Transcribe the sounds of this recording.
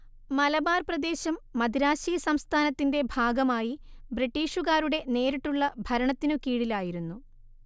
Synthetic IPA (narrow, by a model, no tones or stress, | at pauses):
mɐlɐbaːrprɐd̪e̞ːɕɐmːɐd̪ʱiɾaːɕiːjɐsɐmst̪ʰaːnɐt̪ːinde̞bʱaːɡɐmaːjibriʈːiːʂuɣaːɾuɽe̞ne̞ːɾiʈːuɭːɐbʱɐɾɐɳɐt̪ːinɨkiːɽilaːjiɾunːu